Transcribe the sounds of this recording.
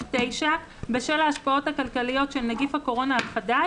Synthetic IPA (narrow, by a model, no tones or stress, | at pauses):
tejʃa | beʃelaːʃpao̞thakalkalijo̞tʃelnaɡifhako̞ʁo̞naχada